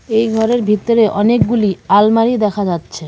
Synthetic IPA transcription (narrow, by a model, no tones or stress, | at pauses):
ejɡʱɔɾeɾbʱit̪ːoɾeʔɔnek̚ɡulialmaɾid̪ɛkʰad͡ʑatːɕʰe